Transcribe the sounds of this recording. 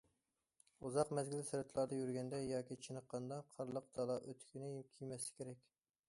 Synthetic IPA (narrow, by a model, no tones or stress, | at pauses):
uzɑqmɛzɡʲilsɛɾɛt̪ʰlˠɑɾd̪ɑjyɾɡʲɛnd̪ɛjɑːkʲit͡ʃʰinəqːɑnd̪ɑqʰɑɾlˠəq̚d̪̥ɑlˠɑʔøt̪ʰkʲynɪkʲʰijmɛslɪ̥kʲʰeɾɛkʲ